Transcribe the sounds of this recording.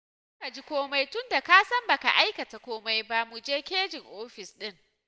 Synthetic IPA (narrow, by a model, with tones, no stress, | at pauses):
sʊ˦ka˨d͡ʒi˦kʷoː˦ma˦jtʊ˦nda˨kaː˦sɐ˦mba˨ka̰˨ʔa˦jkɐ˨ta˨kʷoː˦ma˦jba˦mu˨d͡ʒeː˦kʲeː˦d͡ʒɪ˨ŋʔoː˦ɸɪ˨sɗɪ˦ŋ